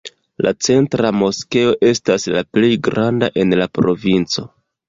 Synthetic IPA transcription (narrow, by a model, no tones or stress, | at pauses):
lat͡se̞ntɾamo̞ske̞o̞ʔe̞staslaple̞jɡɾandaʔe̞nlapɾo̞vint͡so̞